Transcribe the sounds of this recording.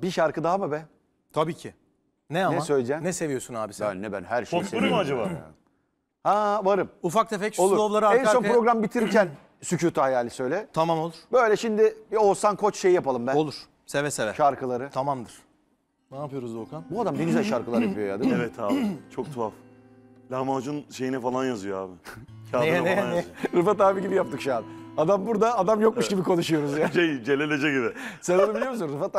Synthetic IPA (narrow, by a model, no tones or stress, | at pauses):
biʃaɾkɯd̪aɦamɯbɛ | t̪ʰabiːcʰɪ | nɛanɛsøjlʲed͡ʒɛːmnɛse̞vijosunaːbisɛnːɛbænɦæɾʃeiseuɾmad͡ʒaba | haːvaɾɯmufak̚t̪ʰefɛcsolˠuɾlovlˠaɾɯaɛnso̞npɾo̞ɡɾambit̪ʰiɾiɾcʰæn | sucʰuɾt̪ʰahajaːlʲisø̞jlʲɛt̪ʰamamo̞lˠuɾ̥bø̞jlʲɛʃimd̪ɪbio̞sankʰo̞t͡ʃʃejjapalˠɯmbæno̞lˠuɾ̥ | sevɛsevɛʃaɾkɯlˠaɾɯt̪ʰamamd̪ɯɾ̥ | naːpʰɯjo̞ɾuzokʰanbuad̪amnɛɟyzælʲʃaɾkɯlˠaɾɾjapʰɯjo̞jad̪ɯɛvɛt̪ʰaːbɪt͡ʃʰo̞k̚t̪ʰuaf | lʲamad͡ʒunʃe̞jinɛfalˠanjazɯjoa̰ːbɪcʰaːɛnaanjɾɯfat̪aːbiɟibijap̚t̪ʰɯkʃaanad̪ambuɾd̪aːd̪amjok̚muʃɟibikʰo̞nuʃujo̞ɾuzjaʃejd͡ʒe̞lʲelʲed͡ʒɛɟibɪsɛnonɯmbilʲijoms̬unɾɯfat̪